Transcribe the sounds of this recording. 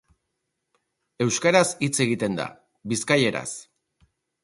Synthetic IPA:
e̞wskaɾasit͡se̞ɣ̞it̪e̞nd̪a̰ | biskaje̞ɾa̰s

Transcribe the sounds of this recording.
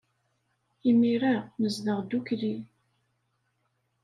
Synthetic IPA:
imiɾaməzðəʁd̪ukli

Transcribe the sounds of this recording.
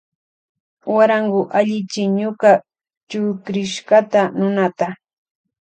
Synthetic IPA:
waɾaŋɡʊʔaʎɪt͡ʃɪɲʊka | t͡ʃʊkɾɪʃɢat̪anʊnat̪a

